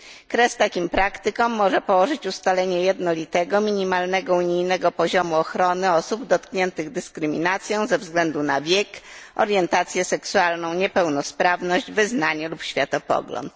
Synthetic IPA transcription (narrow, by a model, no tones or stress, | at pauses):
kɾɛst̪akʲimpɾakt̪ɘkɔmːɔʐɛpɔwɔʐɘt͡ɕust̪alɛɲɛjɛd̪nɔlʲit̪ɛɡɔmʲiɲimalnɛɡɔuɲijnɛɡɔpɔʑɔmuɔxɾɔnɘɔsubd̪ɔt̪kɲɛnt̪ɘɣd̪ɘskɾɘmʲinat̪sʲjɔ̃w̃zɛvzɡlɛnd̪unavʲjɛkʔɔ̰ɾjɛnt̪at̪sʲjɛsɛksualnɔ̃w̃ɲɛpɛwnɔspɾavnɔʑd͡ʑvɘznaɲɛlupɕfʲjat̪ɔpɔ̰ɡlɔ̰nt̪̚